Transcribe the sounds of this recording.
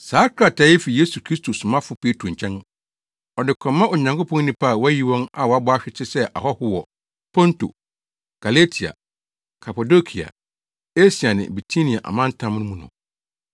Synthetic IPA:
saː˦kʰɾa˨tʰa˨˦e˦fi˨je˦su˨kʰɾi˦stʰo˨sʊ̃˨mã˦fʊ˨pʰe˦tʰo˨ɲ̩˨t͡ɕʰɛ̃˦n˦ | ɔ˨dɪ˨kʰɔ̃˨mːã˦ʔɔ˨ɲã˨ŋkʰo˦pʰɔ̃˦n˦nĩ˨pʰa˦˨wɔ˦æ˦ji˨wɔ̃˦na˨wɔ˨a˦bɔ˦a˦ɕᶣɪ˦t͡ɕʰɪ˦sɛ˦ʔa̰˨ɦɔ˦hʊ˦wɔ˨ | pʰɔ̃˦nto̰˨ | ɡ̥a˨le˦tʰi˨a̰˨ | kʰa˨pa˨do˦kʰi˨a̰˨ | e˦si˨a˨nɪ̰̃˨bi˨tʰi˦nĩ˨a˨ʔa̰˨mã˦n˦tʰã˦m˦nʊ̃˦mũ˦˨nʊ̰̃˨

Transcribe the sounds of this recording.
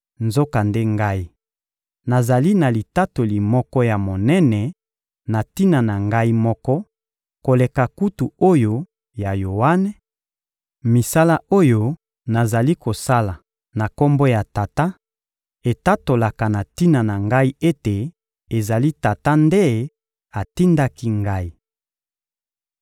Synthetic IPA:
nzo˦ka˨nde˦ŋɡa˦i˦ | na˨za˨li˦na˨li˨ta˦to˨li˨mɔ˦kɔ˦ja˨mo˨nɛ˦nɛ˨ | na˨ti˦na˨na˨ŋɡa˦i˦mɔ˦kɔ˦ | ko˨le˨ka˨ku˦tu˨o˦jo˦ | ja˨jo˨wa˦nɛ˨˦ | mi˨sa˦la˦o˦jo˦ | na˨za˨li˦ko˨sa˦la˨ | na˨kɔ˦mbɔ˦ja˨ta˨ta˦ | e˨ta˦to˨la˨ka˨na˨ti˦na˨na˨ŋɡa˦i˦e˦te˨ | e˨za˨li˦ta˨ta˦nde˦˨˦ | a˨ti˦nda˦ki˦ŋɡa˦i˦

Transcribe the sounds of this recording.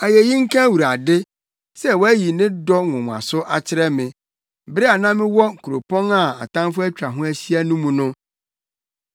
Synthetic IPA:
a˨jɛ˨jĩ˦ŋ̩˦kʰã˦wu˨ɾa˨dɪ˦ | sɛ˦wɔ˦æ˦ji˨nɪ̃˦dɔ˦ŋʊ̃˨m˨a̰˨sʊ˦ʔa˨t͡ɕʰɪ˦ɾɛ˦mɪ̃˨ | bɪ˦ɾɪ˦a˨nã˦mɪ̃˦wɔ˦˨kʰu˨ɾo˨pʰɔ̃˦na˦˨a̰˨tã˦m˦fʊ˦æ˦t͡ɕᶣɾa˨ɦʊ̃˦æ˦ɕi˦a˦nũ˦mũ˨nʊ̃˦

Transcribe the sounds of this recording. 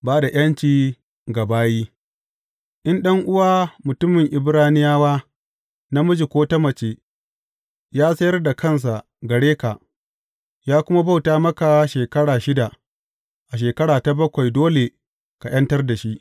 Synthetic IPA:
baː˦da˨j̰ɐ˦nt͡ʃiː˨ | ɡa˨baː˦jiː˦ | ʔɪ˦nɗɐ˦ŋʔʊ˦waː˦mʊ˨tʊ˦mɪ˨ŋʔɪ˨bɾaː˦nɪ˦jaː˦waː˦ | na˦mʊ˦d͡ʒi˨kʷoː˦tɐ˦mɐ˨t͡ʃeː˨ | jaː˦sɐ˦jɐ˦rda˨kʰɐ˦ns̬a˨ʔ | ɡɐ˨ɽeː˦ka˨ʔ | jaː˦kʷʊ˦ma˦ba˦˨wtaː˦mɐ˦ka˨ʃeː˨kɐ˦ɽaː˨ʃɪ˦da˨ | ʔa˨ʃ̬eː˨kɐ˦ɽaː˨ta˨bɐ˦kʷa˨jdoː˦le˨ | ka˨j̰ɐ˦ntɐ˦rda˨ʃi˦ʔ

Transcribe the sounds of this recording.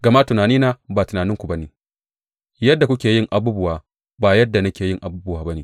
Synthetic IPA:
ɡɐ˨ma˦tʊ˨naː˨niː˦naː˦baː˨tʊ˨naː˨nɪ˦ŋkʷu˨bɐ˦neː˨ | jɐ˦dːa˨kʷʊ˦kʲeː˨jɪ˦ŋʔa˨buː˦bʊ˦waː˨ | baː˨jɐ˦dːa˨nɐ˦kʲeː˨jɪ˦ŋʔa˨buː˦bʊ˨waː˦bɐ˦neː˨

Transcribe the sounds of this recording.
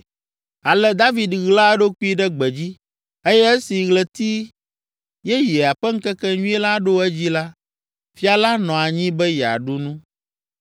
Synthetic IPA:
a˨lɛ˨d̪a˦vi˨d̪ɣla˦ɖo˦ku˦i˦ɖɛ˦ɡ͡bɛ˨d͡ʑi˦ | e˦jɛ˦ɛ˦si˨ɣlɛ˨t̪i˦ | jɛ˦jɛ˨a˨ɸɛ˦ŋ̩˦kɛ˦kɛ˦ɲũ˦ɛ˦la˦ɖo˦ɛ˦d͡ʑi˦la˦ | fi˦a˨la˦nɔ̃˨a˨ɲĩ˦bɛ˦jɛ˨a̰˨ɖu˦nũ˦

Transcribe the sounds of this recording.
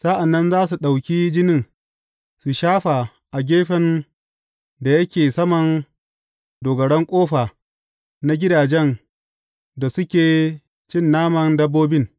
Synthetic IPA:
sa˦ʔa˨nːɐ˦nzaː˦su˨ɗa˨wkʲiː˦d͡ʒɪ˦nɪ˦˨ŋ | su˨ʃaː˦ɸa˨ | ʔa˨ɡʲeː˦ɸɛ˦n | da˨jɐ˦kʲeː˨sɐ˦mɐ˨n | doː˨ɡɐ˨ɽɛ˦ŋkʷʼoː˦ɸaː˨ | na˦ɡʲɪ˦daː˨d͡ʒɛ˦n | da˨sʊ˦kʲeː˨ | t͡ʃɪ˦˨nːaː˦mɐ˨ndɐ˦bːoː˦bɪ˦ŋ

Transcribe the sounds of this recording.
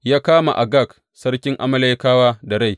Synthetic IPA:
jaː˦kaː˦ma̰˨ʔa˨ɡa˦˨k | sɐ˦ɽkʲɪ˦ŋʔa˦mɐ˦la˦jkaː˦waː˦da˨ɽa˦˨j

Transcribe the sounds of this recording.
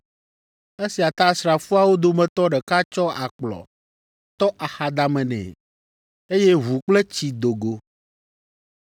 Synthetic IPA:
e˦si˨a˨t̪a˦sɾa˨fu˦a˨wo˦d̪o˨mɛ̃˨t̪ɔ˦ɖɛ˨ka˦t͡ʃɔ˦a˨k͡plɔ̰˨ | t̪ɔ˦ʔa˨xa˨d̪a˨mɛ̃˨nɛ̰̃˨ | e˦je˦ɦu˨k͡ple˦t͡ɕi˨d̪o˨ɡo˨

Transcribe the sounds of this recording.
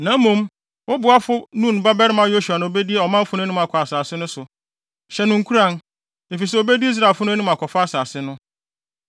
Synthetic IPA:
nã˨˦mũ˦m | wʊ˦bʊ˨a˦fʊ˦nũ˦n˨ba˦bɛ˦ɾɪ˦mã˨jo˦ɕu˨a˨nã˨o˨be˦di˦e˦ɔ˨mã˦fʊ˦nʊ̃˦nũ˦ma˨kʰɔ˨a˨saː˨sɪ˦nʊ̃˦sʊ˨ | ɕɛ˨nʊ̃˨ŋ̩˨kʰu˦ɾã˦˨n | e˨fi˨s̬ɛ˦o˨be˦di˦i˦s̬ɾa˨lfʊ˦nʊ̃˦æ˦nũ˦m˦a˨kʷʰɔ˨fa˦a˦˨saː˨sɪ˦nʊ̃˦

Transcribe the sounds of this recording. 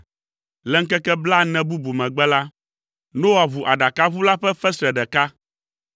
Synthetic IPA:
lɛ˦ŋ̩˦kɛ˦kɛ˦bla˦nɛ̃˨bu˦bu˨mɛ̃˨ɡ͡bɛ˦la˦ | nõ˦wa˨βu˨ʔa˨ɖa˨ka˦βu˦la˦ɸɛ˦ɸɛ˦sɾɛ˨ɖɛ˨ka˦

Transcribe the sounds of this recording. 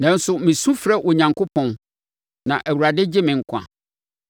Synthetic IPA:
nɛ̃˨˦n̩˦sʊ˨mɪ̃˨sũ˦fɾɛ˦ʔo˨ɲã˨ŋko˦pʰɔ̃˨n | nã˨ʔæ˨wu˨ɾa˨dɪ˦d͡ʑɪ˦mɪ̃˨ŋ̩˦kʷʰã̰˨

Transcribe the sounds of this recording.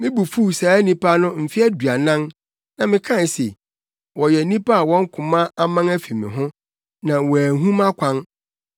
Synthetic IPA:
mɪ̃˦bu˨fu˦˨sa˨˦nĩ˦pʰa˦nʊ̃˦m̩˨fi˦æ˦du˨a˨nã˦n | nã˨mɪ̃˨kʰã˦n˨sḛ˨ | wɔ˨jɛ˨˦nĩ˦pa˦a˨wɔ̃˦ŋ̩˦kʰʊ̃˨mã˦a˦mã˦ŋæ˦fi˨mɪ̰̃˨ɦʊ̃˦ | nã˨wæ˨ɦũ˦mã˦kʷʰã˦n

